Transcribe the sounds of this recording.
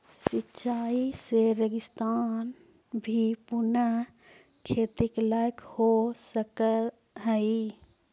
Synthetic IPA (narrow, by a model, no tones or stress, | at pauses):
sɪtːʃaːiseɾəɡɪst̪aːn | bʱipʊnə | kʰeːt̪ɪklajkhosəkə | ɦəi